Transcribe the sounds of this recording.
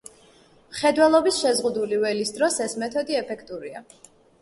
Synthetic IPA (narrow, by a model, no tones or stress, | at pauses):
mχɛd̪wɛlˠɔbisʃɛzʁud̪ulivɛlisd̪ɾɔsɛsmɛt̪ʰɔd̪iɛpʰɛkʰt̪ʼuɾia